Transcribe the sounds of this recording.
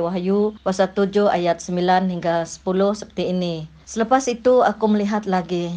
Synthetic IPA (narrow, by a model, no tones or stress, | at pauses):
waɦajupasat̪ud͡ʒʊha̰jat̪̚səmbilanɦiŋɡasə̥pulʊhsəpə̥t̪iːni | sələpasit̪uakuməliɦat̪̚laɡi